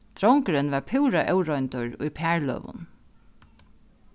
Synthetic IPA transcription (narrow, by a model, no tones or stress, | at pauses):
t̪ɾɔwŋkəɾɪnʋaɹpʰɪwɾaʔɛʊɾɔjnt̪ʊɹṵjpʰæːɹlœ̰ːʋʊ̰n